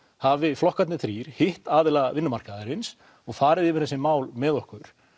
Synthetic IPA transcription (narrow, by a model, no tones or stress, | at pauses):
havɪflɔhkat̪nɪθɾiːɾ̥hɪht̪aːðɪlaɣavɪnːʏmar̥kaðɪɾɪns | ɔɣfaːɾɪðɪːvɪɾ̥θɛsːɪmaːwlmɛðɔhkʏɾ̥